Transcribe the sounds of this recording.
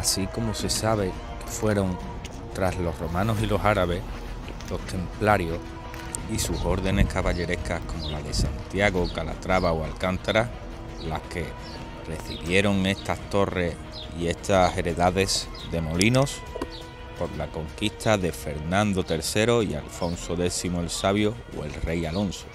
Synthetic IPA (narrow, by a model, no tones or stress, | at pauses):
asiko̞mose̞saβe̞ | ke̥fwe̞ɾo̞ŋ | t̪ɾazlo̞ɦro̞mãnosilo̞saɾaβe̞h | lo̞ht̪e̞mplaɾjo̞h | isuso̞ɾðe̞ne̞hkaβaʎe̞ɾe̞hkahko̞mo̞laðe̞sant̪jaɣokala̰t̪ɾaβaoalkant̪aɾa | lahke̞ | re̞θiβje̞ɾo̞ŋe̞st̪ast̪o̞re̞ | ie̞ht̪ase̞ɾe̞ðaðe̞s | ðe̞mo̞lino̞s | po̞ɾlako̞ŋkist̪aðe̞fe̞ɾnãnd̪o̞t̪e̞ɾθe̞ɾo̞ia̰lfo̞nsoðe̞θimoe̞lsaβjo̞ | o̰e̞lre̞jalo̞nso̥